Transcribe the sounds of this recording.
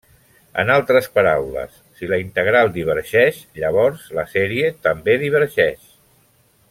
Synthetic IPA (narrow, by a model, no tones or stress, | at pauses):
ə̰nalˠt̪ɾəspəɾawlə̰sːiləint̪əɣ̞ɾalˠd̪iβ̞əɾʒɛʃʎəβ̞ɔɾzləsɛɾiət̪əmbeðiβ̞əɾʒɛʃ